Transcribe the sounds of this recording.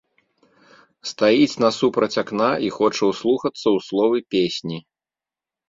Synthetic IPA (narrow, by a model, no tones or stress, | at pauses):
st̪ajit͡sʲnɐsupɾɐt͡sʲaknaixɔt͡ʂɐwslˠuxɐt̪sːɐwslˠɔvɨpʲesʲnʲi